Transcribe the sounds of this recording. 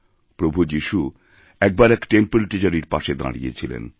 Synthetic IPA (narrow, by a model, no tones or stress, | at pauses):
pɾobʱud͡ʑiʃu | ɛk̚baɾɛkʈempelʈid͡ʑaɾiɾpaʃed̪a̰ɽḭjḛt͡ɕʰilḛn